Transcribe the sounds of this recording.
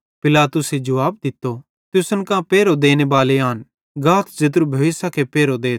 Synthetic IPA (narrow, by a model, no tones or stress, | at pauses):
pɪlaːt̪ʊsed͡ʒɐʋaːb̚d̪ɪt̪ːo | t̪jʊsənkãpeːɾod̪eːnebaːleaːn | ɡaːt̪ʰd͡ʒɐt̪̬ɾubʱɐʋɪsakepeːɾod̪eːt̪